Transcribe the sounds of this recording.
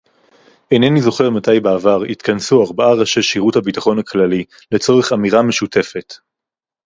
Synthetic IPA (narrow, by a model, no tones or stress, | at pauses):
enenizo̞χe̞ʁmatajbeːvaʁit̪kʰansuaʁbaaʁaʃeʃiʁuthabitaχo̞nhaklali | le̞t͡so̞ʁeχamiʁame̞ʃutʰe̞fe̞t